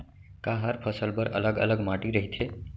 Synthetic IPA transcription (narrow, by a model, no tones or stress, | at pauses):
kaɦəɾpʰəsəlpəɾə̰ləɡə̰ləɡmaʈiɾəɦit̪ʰe